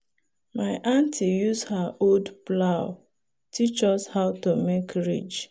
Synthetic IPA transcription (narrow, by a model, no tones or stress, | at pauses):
maɪʔãntʰijushaʔoldplaʊ | tit͡ʃɔshaʊtomekɹḭd͡ʒ